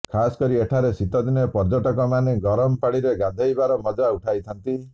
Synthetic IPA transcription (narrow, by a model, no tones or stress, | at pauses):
kʰasɔ̥kɔɾieʈʰaɾesit̪ɔd̪inɔɔpɔɾd͡ʒɔʈɔkɔmaneɡɔɾɔmɔpaɽ̃iɾeɡad̪ʱejbaɾɔmɔd͡ʒauʈʰajt̪ʰɔnt̪i